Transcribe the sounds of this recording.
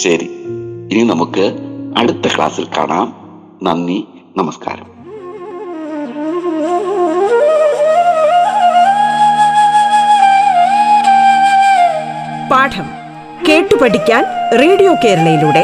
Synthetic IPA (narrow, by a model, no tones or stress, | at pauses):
ɕɐɾiininɐmukːɨɐɽut̪ːɐkɭa̰ːsilka̰ːɳaːm | nɐnːi | nɐmɐska̰ːɾɐ̰m | paːʈʰɐm | ke̞ːʈːɨpɐʈikʲːaːnreːɽijo̞ːke̞ːɾɐlɐjiluːɽe̞